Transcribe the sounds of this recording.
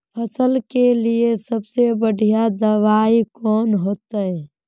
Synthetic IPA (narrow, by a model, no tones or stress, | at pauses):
pʰəsəlkeliesəbsebəɽ̤ʱijad̪əʋaːikɔːnɦoːt̪əɛ